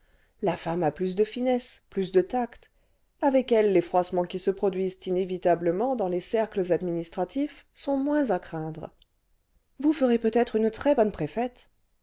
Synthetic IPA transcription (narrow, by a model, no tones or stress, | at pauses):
lafamaplys̬d̪əfinɛsplysd̪ət̪akt̪ | avɛkɛlːefχwasmɑ̃kʲisəpχɔd̪ɥizt̪inevit̪abləmɑ̃d̪ɑ̃lesɛʁkləzad̪minist̪χat̪ʰifsɔ̃mwɛ̃zakχɛ̃d̪ʁ | vufəʁepøt̪ɛt̪χynt̪χɛbɔnpχefɛt̪